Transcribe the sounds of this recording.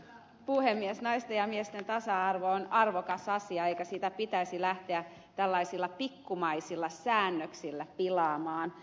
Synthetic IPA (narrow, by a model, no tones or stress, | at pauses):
puhemːiesnɑist̪ejɑmiest̪ent̪ɑsɑɑrʋoonɑrʋokɑsɑsiɑeikæsiːt̪æpit̪æisilæht̪eæ | t̪ælːɑisilːɑpikːumɑisilːɑsæːnːøksilːæpilɑːmɑːn